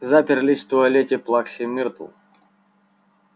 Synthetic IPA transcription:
zapʲɪrlʲisʲt̪ʊɐlʲet̪ʲɪplˠaksʲɪmʲirt̪lˠ

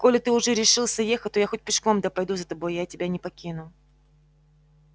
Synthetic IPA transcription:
ko̞lʲɪt̪ɨʊʐɛɾʲɪʂɨlˠsʲɐjexət̚ʲt̪ojaxo̞t̚ʲpʲɪʂko̞md̪apɐjd̪uzət̪ɐbo̞jjatʲɪbʲanʲɪpɐkʲinʊ

